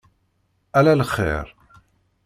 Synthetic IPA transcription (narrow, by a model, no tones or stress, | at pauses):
ælæləχːḭɾˤ